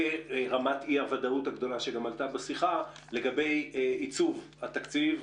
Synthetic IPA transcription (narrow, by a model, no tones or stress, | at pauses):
eʁamatiavadauthaɡd̪o̞laʃeɡamalt̪abesiχa | le̞ɡabe̞jit͡suv | hat̪akt͡siv